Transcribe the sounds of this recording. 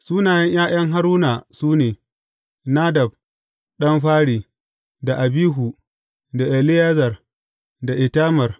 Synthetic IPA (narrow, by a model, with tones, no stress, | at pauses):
suː˦naː˨jɐ˦ɲj̰aː˦j̰ɐ˦ŋɦa˦ɾuː˦naː˨suː˦neː˨ | na˦dɐ˨b̚ | ɗɐ˦mɸaː˦ɽiː˨ | da˨ʔa˨biː˦ɦu˨ | da˨ʔɛ˨lɪ˦jaː˦zɐ˨r | da˨ʔɪ˨taː˦mɐ˨r